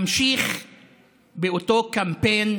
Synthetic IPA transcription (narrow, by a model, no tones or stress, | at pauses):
mʃiχ | beotokampejn